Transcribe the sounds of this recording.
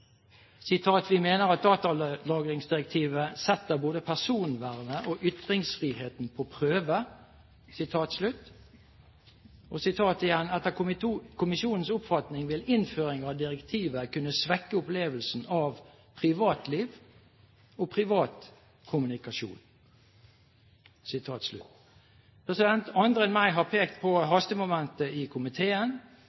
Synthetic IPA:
sɪt̪ʰɑːt̪ʋɪmeːnəʁɑt̪̚d̪ɑːt̪ɑlɑːɡʁɪŋsd̪ɪʁɛk̚t̪ʰiːʋəsɛt̪ːəboːd̪əpʰæsuːnʋæʁnəʔɔʔʏt̪ʁɪŋsfʁiːheːt̪npʰɔpʰʁøːʋə | sɪt̪ʰɑːt̪slʉt̪ː | ɔsɪt̪ʰɑːt̪ɪjɛnːɛt̪ːəkʰʊmɪʃuːnn̩sʊpfɑt̪nɪŋʋɪlɪnføːɾɪŋɑʋd̪ɪɾɛkt̪ʰiːʋəkʉnːəsʋɛkːəʊpleːʋəlsn̩ɑʋ | pʰʁɪʋɑːt̪liːʋ | ɔpʰʁɪʋɑːt̪ | kʰʊmʉnɪkɑʃṵːn | sɪt̪ʰɑːt̪slʉ̰t̪ː | pʰʁɛsɪd̪ɛnt̪ɑnd̪ɾɛnmæɪɦɑpʰeːkt̪pʰɔɦɑst̪əmʊmɛnt̪əɪkʰʊmɪt̪ʰeːən

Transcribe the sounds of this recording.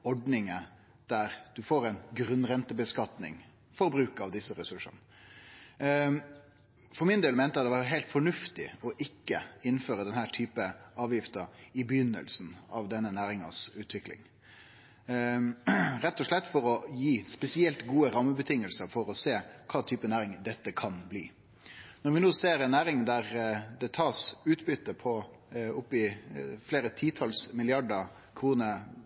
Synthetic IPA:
ɔɖnɪŋə | d̪̥æɾd̪̥ʉfoːɾɛɪnɡɾʉnɾɛnt̪əbəskɑt̪nɪ̰ŋ | fɔɾbɾʉːkɑʋd̪ɪsːəɾɛsʉʂə̰n | fɔɾmɪnd̪eːlmɛnt̪əɑt̪d̪ɛʋɑɾɦæɪlt̪fɔɳʉft̪ɪ̰ɔʔɪkːəɪnːføːɾəd̪ɛnhæːʈʰyːpəɑːʋjɪft̪əɾɪbəjʏnːə̰lsn̩ɑʋd̪ɛnːənæːɾɪŋɑ̰sʉːt̪ʰʋɪklɪ̰ŋ | ɾɛt̪ːɔʂɭɛt̪ːfɔɾɔjiːspɛsɪɛlt̪ɡuːəɾɑmːəbət̪ʰɪŋəlsəɾfɔɾɔseːkʰɑːt̪ʰyːpənæːɾɪŋd̪ɛt̪ːəkʰɑnblḭː | nɔɾʋɪnoːseːɾɛnːæːɾɪŋd̪æɾd̪ɛt̪ʰɑːɾsʉːt̪bʏt̪ːəpʰɔ | ʊpːɪfleːɾət̪ʰiːt̪ʰɑlsmɪlɪɑɖə | kʰɾuːnə

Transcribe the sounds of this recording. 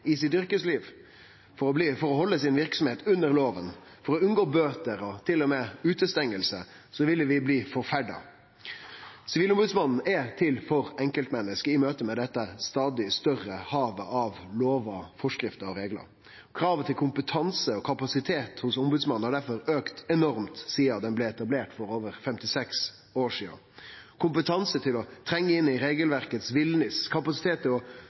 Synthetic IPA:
ɪs̬ɪt̪ʏɾkəsliːʋ | fɔɾɔbliːfɔɾɔhɔlːəsɪnʋɪɾksɔmheːt̪ʉnːəɾloːʋən | fɔɾɔʉnɡoːbøːt̪əɾɔt̪ʰɪlːɔmeːʉːt̪əst̪ɛŋːəlsə | sɔʋɪlːəʋɪbliːfɔɾfæɖɑ̰ | sɪʋiːlʊmbʉːd̪smɑnn̩ɛt̪ʰɪlfɔɾɛŋkəlt̪mɛnːəskəɪmøːt̪əmɛd̪ɛt̪ːəst̪ɑːd̪ɪst̪œɾəhɑːʋə̰ʔɑʋloːʋɑfɔʂkɾɪft̪əɔɾeːɡlə̰ɾ | kʰɾɑːʋət̪ʰɪlkʰʊmpət̪ʰɑnsəɔkʰɑpɑsɪt̪ʰeːt̪hʊsʊmbʉːd̪smɑnn̩hɑɖæɾfɔɾøːkt̪ɛnɔɾmt̪siːɑd̪ɛnblɛɛt̪ɑbleːʈfɔɾoːʋəɾfɛmt̪ɪsɛks | oːʂiːə̰ | kʰʊmpət̪ʰɑnsət̪ʰɪlɔt̪ʰɾɛŋːəɪnːɪɾeːɡəlʋæɾkət̪sʋɪlnɪskʰɑpɑsɪt̪ʰeːt̪̚ːɪlɔ

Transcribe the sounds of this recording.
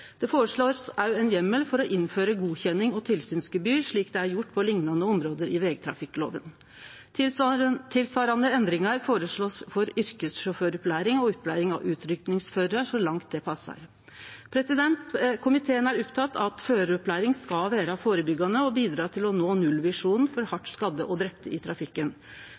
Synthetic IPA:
d̪̥ɛfoːɾəʂɭoːɾsæɛnjɛmːəlfɔɾɔʔɪnføːɾəɡuːçɛnːɪŋɔt̪ʰɪlsyːnskʉbyːʂɭiːkd̪ɛæɾjʊʈːpʰɔlɪŋnɑnəɔmɾoːd̪əɾɪʋɛːɡt̪ʰɾɑ̰fɪkːlo̰ːʋən | t̪ʰɪlsʋɑːɾɑnəɛnd̪ɾɪŋɑɾfoːɾəʂɭoːsfɔɾʏɾkəsʂʊføːɾɔplæːɾɪŋɔɔpːlæːɾɪŋɑ̰ʉːt̪ʰɾʏkt̪nɪŋsføːɾəʂɔlɑŋt̪̚d̪ɛpʰɑsːɑ̰ɾ | pʰɾɛsɪd̪ɛnt̪kʰʊmɪt̪ʰeːənæɾɔpt̪ʰɑt̪ːɑt̪føːɾəɔplæːɾɪŋskɑlʋæːɾɑfoːɾəbʏɡɑnəɔbiːd̪ɾɑːt̪ʰɪlɔnoːnʉlːʋɪʂuːnfɔɾhɑʈːskɑd̪ːəʔɔd̪ɾɛpt̪əʔɪt̪ʰɾɑfɪkːən

